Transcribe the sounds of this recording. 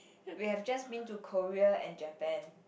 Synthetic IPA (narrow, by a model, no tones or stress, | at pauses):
wihɛvd͡ʒasbĩntukʰɔɹiəɛ̰̃nd͡ʒəpɛ̃n